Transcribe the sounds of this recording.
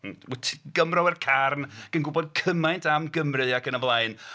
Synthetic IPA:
tʰɡ̥əmrɔwɛrkʰarnɡ̥ənɡʊbɔdkʰəmajntʰamɡəmrɨakənəvlˠaɨn

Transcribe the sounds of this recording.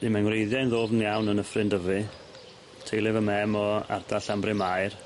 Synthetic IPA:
dimanwrejðjanðoːvnjawnənəfrɪndəvɨ | tʰejlˠɪvəmɛmɔa̰rdaɬambrɪmajr

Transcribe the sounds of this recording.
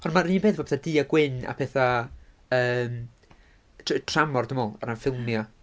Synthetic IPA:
ɔnmaiːnpʰeːθɔːpɛ̥θadɨːaɡwɪna̰pʰɛθa | əːm | tʰtʰr̥amɔrdɪmɔlˠa̰ɾanfɪlˠmja

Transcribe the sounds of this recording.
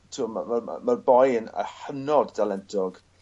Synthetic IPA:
tʰuːmamarm̰marbɔjənə̰ħənɔddalɛntʰɔɡ̥

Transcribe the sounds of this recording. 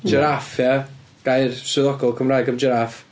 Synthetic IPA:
d͡ʒəɾafja | ɡ̥ajrsʊðɔɡɔlˠkʰəmraːjɡəmd͡ʒəɾaf

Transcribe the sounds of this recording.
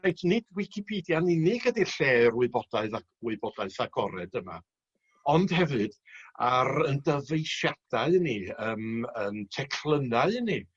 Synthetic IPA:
rejtʰnɪd̥wɪkʰipʰiːdjaninɪɡ̥ədiɬeːrwɪɨbɔd̥aɨða | wɪɨbɔdaɨθaɡ̥ɔɾɛdəma̰ | ɔnd̥hɛvɨd̥aɾəndəvejʃad̥aɨniəːməntʰɛkʰlˠənaɨni

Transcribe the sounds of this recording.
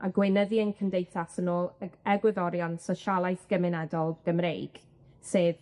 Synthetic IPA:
ʔaɡwɪnəðiənkʰəndejθasənoːlˠɛɡwɪðɔɾjɔnsɔʃalˠajθɡ̥əmɪnɛdɔlˠɡ̥əmrejɡ̥ | seːð

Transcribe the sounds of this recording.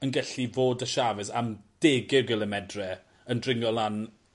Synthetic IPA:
ənɡɛɬivoːdəʃavɛsa̰md̥eːɡɪɡɪlˠəmɛdrɛ | əndrɪŋɔlˠan

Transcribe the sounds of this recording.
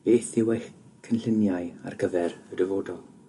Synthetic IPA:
b̥eːθiwɛx | kʰənɬɪnjaɨa̰rɡəvɛrədəvoːdɔlˠ

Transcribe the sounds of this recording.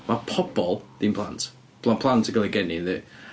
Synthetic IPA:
mapʰɔp̚bɔlˠd̪̥inpʰl̥ˠant | pʰlapʰl̥ˠantʰəɡəlˠiɡɛninðɛ

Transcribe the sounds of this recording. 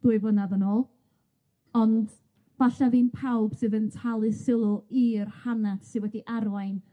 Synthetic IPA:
d̥uːɨvənaðənoːlˠ | ɔnd | b̥aɬaðiːnpʰawb̥sɨðəntʰalˠɨsɪlˠʊirhanad̥sɨwɛdiʔarwajn

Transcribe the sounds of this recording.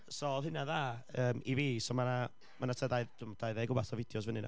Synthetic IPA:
sɔɔðhɪnaðaəːmiviːsɔmana | manatʰədaɨd̥ʰʊmɔd̥ajðajɡʊbaθɔvɪdjɔs̬vənɪna̰

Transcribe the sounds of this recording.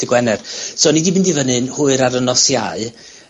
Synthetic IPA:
ɪɡwɛnɛrsoːnidibɪndivənɨnhʊɨɾaɾənɔsjaɨ

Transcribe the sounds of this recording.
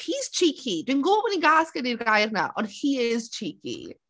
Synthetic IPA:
hiːz̥t͡ʃʰiːkʰid̪ɪnɡoːpəniɡaːskɐniːɾɡaːjəɾna̰ʔɔ̰ːɾhiːɪzt͡ʃʰiːkḭ

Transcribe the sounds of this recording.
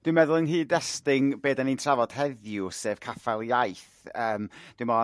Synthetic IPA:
d̥wɪmɛðʊlˠənɦiːdɛstɪŋbeːdanintʰravɔd̥hɛðjʊseːv̥kʰafalˠjajθ | əːmd̥wɨmɔ

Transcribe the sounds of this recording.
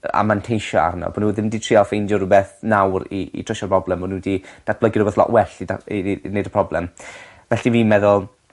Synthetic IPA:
a̰mantʰejʃɔa̰rnɔ̰bɔnuðɪmditʰr̥ɪalˠfejndɔɾʊbɛθnawriḭtʰr̥əʃɔprɔblˠɛmɔnudid̥at̚b̥ləɡɪɾubeθlɔ̰ʔwɛɬiainejdəpʰrɔblɛm | vɛɬiviːmɛðʊlˠ

